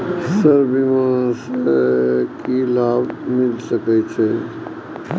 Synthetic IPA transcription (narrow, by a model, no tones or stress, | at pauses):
səɾbimãs | kilaːbmɪlsəkɛt͡ʃʰɛ